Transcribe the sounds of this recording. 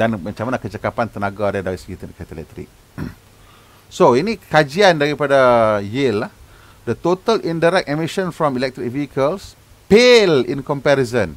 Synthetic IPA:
danmãt͡ʃamanakət͡ʃakapant̪ənaɡadadaisɡit̪ənkɛt̪əlɛ̰t̪ɾḭk̚ | soinikad͡ʒiandaɾipadajilːah | dət̪ot̪əlʔĩndaɾɛk̚ɛmiʃə̃nfɾɔ̃milɛk̚t̪ɾik̚viəkəls | pelḭ̃nkɔmpɛɾizə̃n

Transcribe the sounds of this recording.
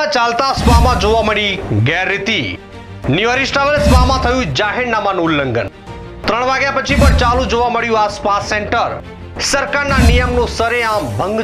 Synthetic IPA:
ãt͡ʃalt̪asʋamãd͡ʒoʋaməɽiɡɛɾːɪt̪i | njuəɾisʈaʋəlsʋamãt̪ʰəjũd͡ʒaɦɪɾnamanũːlːəŋɡə̰n | t̪ɾəɳ̃ʋaɡjapət͡ʃʰipəɳt͡ʃalũd͡ʒoʋaməɽjũaspasːẽɳʈəɾ | səɾkaɾnanijəmnũsəɾeãmbʱə̃ŋɡ

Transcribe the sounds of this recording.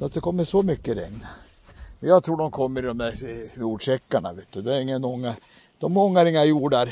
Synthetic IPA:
at̪d̪ɛkʰɔmːəʂɔmʏkːəɾɛ̰ŋn | mɛnjɑːɡt̪ʰɾuːɖɔmkʰɔmːəɾɪd̪ɔmd̪æɾjuːɖʂɛkːaɳa̰ʋeːt̪̚d̪ɵd̪ɛæɾɪŋːənɔŋːa | d̪̥ɔmɔŋːaɾɪŋːajuːɖaɾ

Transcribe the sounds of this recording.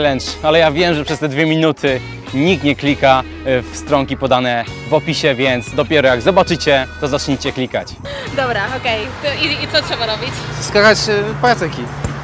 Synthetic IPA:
lɛnt͡ʂalɛjavʲjɛmʐɛpʂɛst̪ɛd̪vʲjɛmʲinut̪ʰɘ | ɲik̚t̪ɲɛklʲika | fst̪ɾɔŋkʲipɔd̪anɛ | vɔpʲiɕɛvʲjɛnt̪sd̪ɔpʲjɛɾɔjaɡzɔbat͡ʂɘt͡ɕɛt̪ɔzat͡ʂɲit͡ɕɛklʲikat͡ɕ | d̪ɔbɾaɔkɛjt̪it̪sɔtʂɛbaɾɔbʲit͡ɕskakat͡ɕpat̪ɛkʲi

